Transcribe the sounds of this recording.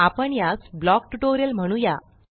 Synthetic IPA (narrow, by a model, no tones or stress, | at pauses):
apəɳjasblɔk̚ʈuʈoɾjəlm̤əɽ̃ũja